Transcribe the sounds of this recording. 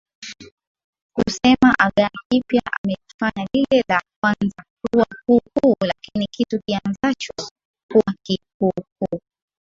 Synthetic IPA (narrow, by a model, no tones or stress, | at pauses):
kusɛmaʔaɠaakipjaʔamɛlifaɲalilɛlak̚wanzak̚uwakukulakinikitukianzat͡ʃɔ | kuwakikuhuː